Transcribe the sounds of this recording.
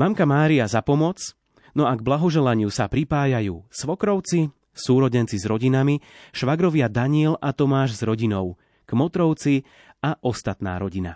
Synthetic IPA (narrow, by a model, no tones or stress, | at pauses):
mamkamaːɾiazapɔmɔt͡s | nɔaɡblaɦɔʒɛlaɲɪusapɾipaːjajuːsʋɔkɾɔʊt͡si | suːɾɔɟɛnt͡sizɾɔɟinamiʃʋaɡɾɔʋɪad̪aɲɪɛlat̪ɔmaːʒzɾɔɟinɔʊ | ɡ̥mɔt̪ɾɔʊt͡si | aʔɔst̪at̪na̰ːɾɔɟina̰